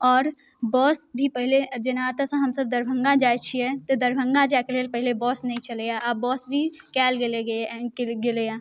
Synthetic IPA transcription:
ɔːɾ | bɔːsbʱipəɦɪled͡ʒɪnat̪asə̃ɦɐmsəb̚d̪əɾbʱə̃ŋɡãd͡ʒaːet͡ʃʰiɛt̪od̪əɾbʱə̃ŋɡãd͡ʒakeleːlpəɦɪlebɔːsnɐɦĩt͡ʃəlejaʔabɔːsbʱi | kɛːlɡeleɡeɡelejãː

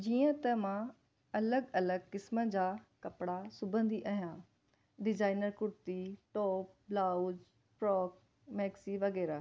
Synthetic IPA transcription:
d͡ʑiːə̃t̪ɐmã | ɐləɡɐləɡ̚kɪsmə̃d͡ʑaːkɐpɽasʊbʱə̃nd̪iʔaɦijã | ɖɪzaːɪnəɾkʊɾt̪iʈɔːp̚blaːud͡ʑ | pɾɔːk̚ | mɛːksiʋɐɣɛːɾaː

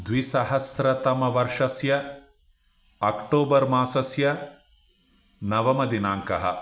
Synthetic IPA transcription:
d̪ʋisɐɦɐsɾɐt̪ɐmɐʋɐɾʂɐsjɐ | ɐkʈoːbɐɾmaːsɐsjɐ | nɐʋɐmɐd̪inaːŋkɐɦɐ̰

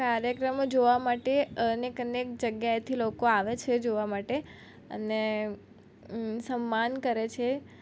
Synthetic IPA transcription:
kaɾjəkɾəmod͡ʒoʋamaʈeənekənek̚d͡ʒəɡjajt̪ʰilokoaʋet͡ʃʰed͡ʒoʋamaʈe | ə̰ne | səmːankəɾet͡ʃʰe

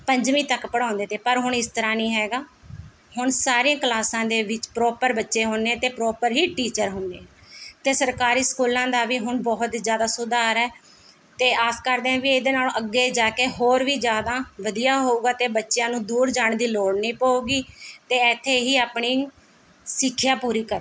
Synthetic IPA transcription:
pəɲd͡ʒʋiːt̪əkpəɽãːnd̪eːt̪eːpəɾɦʊɳɪst̪əɾãːnĩːɦɛːɡaː | ɦʊɳsaːɾiːãːklaːsãːd̪eːʋɪt͡ʃpɾɔːpəɾbətːʃeːɦoːneːt̪eːpɾɔːpəɾɦiːʈiːt͡ʃəɾɦoːneːt̪eːsəɾkaːɾiːsə̥kuːlãːd̪aːʋiːɦʊɳbɔːɦʊt̪d͡ʒjaːd̪aːsʊd̪aːɾɛː | t̪eːaːskəɾd̪eːãːʋiːed̪eːnaːlʔəɡːeːd͡ʒaːkeːɦoːɾʋiːd͡ʒjaːd̪aːʋəd̪ijaːɦoːuːɡaːt̪eːbətːʃejãːnũːd̪uːɾd͡ʒaːɳd̪iːloːɽnĩːpaːuːɡiːt̪eːɛːt̪ʰːeːɦiːaːpɳiː | sɪkʰːjaːpuːɾiːkəɾ

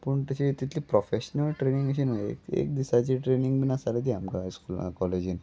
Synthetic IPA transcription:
pəɳt̪əɕit̪it̪ʰliːpɾofeɕnəlʈɾenĩŋɡəɕ̬inəḛkḛk̚d̪isat͡ɕiʈɾeniŋɡbinasalet̪iamkaskul̰kɔled͡ʑin

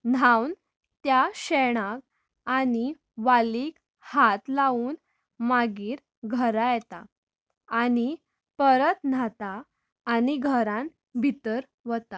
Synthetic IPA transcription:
nawn | t̪jaɕeɳ̃ãk̚ | ani | ʋaliːk | hat̪lauːn | maɡiːɾ | ɡʱəɾajɛt̪aː | ñi | pəɾət̪nat̪aː | niɡʱəɾãn | bʱit̪əɾ | ʋət̪a

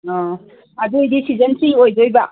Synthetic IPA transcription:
ɔ | adudisizɐnsiojd͡ʒojba

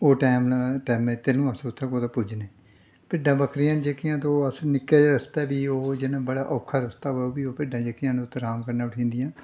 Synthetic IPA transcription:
oːʈɛːmʈɛːmẽːt̪eːnũːəsʊt̪ʰːẽːkoːt̪ãːpʊd͡ʒneː | pɪɖãːbəkɾɪjaːnd͡ʒekːɪjãːt̪õəsnɪkːeːd͡ʒɾəst̪ɛːbiːoːd͡ʒɪnãːbəɽaːʔɔːkʰːaːɾəst̪aːɦooːbiːoːpɪɖãːd͡ʒəkːɪjãːñːʊt̪ʰːẽːɾaːmkəɾnaːʊʈʰĩːnd̪ijãː

